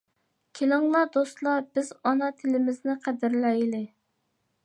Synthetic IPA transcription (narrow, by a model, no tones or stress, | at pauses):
kʲʰelɪŋlˠɑd̪ost̪lˠɑbɪzɑnɑt̪ʰɪlɪmɪznɪqʰæd̪ɪɾlɛjlɪ